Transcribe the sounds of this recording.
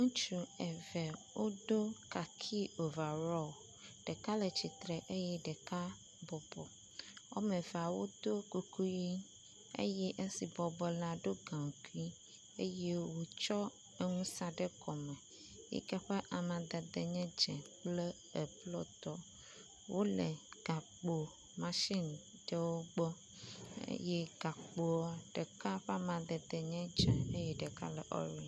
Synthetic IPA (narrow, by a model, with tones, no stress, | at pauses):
ŋũ˦t͡ʃu˨ɛ˨vɛ˨wo˦ɖo˦ka˨kʰi˦o˨va˨ɾɔ˦˨ | ɖ̥e˨ka˦lɛ˨t͡ʃi˨t̪ɾɛ˨ʔe˦jɛ˦ɖɛ˨ka˦ | bɔ˨bɔ˨ | wo̰˦mɛ̃˨va˨wo˦d̪o˦ku˨kʰu˦ji˦ | ḛ˦jɛ˦ʔe˦si˨bɔ˨bɔ˨la˨ɖo˦ɡã˨ŋ˨ku˦i˦ | e˦je˦wo˨t͡ʃɔ˦ | e˦ŋũ˦sa˦ɖe˦kɔ˨mɛ̃˨ | jḭ˦kɛ˦ɸe˦ʔa˨mã˨d̪ɛ˨d̪e˨ɲɛ̃˦d͡ʒɛ̃˨k͡ple˦ | ə˨blɔ˦t̪ɔ˦ | wʔo˦lɛ˨ɡ̥a˨k͡po˨ | mã˨ʃi˦n | ɖə˦wo˦ɡ͡bɔ˦ | ḛ˦je˦ɡ̥a˨k͡po˨ɔ˦ɖ̥ə˨ka˦ɸɛ˦a˦˨mã˨d̪ɛ˨d̪e˨ɲɛ̃˦d͡ʒɛ̃˨e˦jɛ˦ɖə˨ka̰˦lɛ˨ʔɔ̰˦ɾi˦